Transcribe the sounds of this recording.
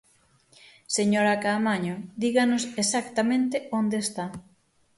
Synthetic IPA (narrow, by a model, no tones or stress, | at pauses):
seɲoɾakamaɲod̪iɣanosesakt̪amẽnt̪eond̪est̪a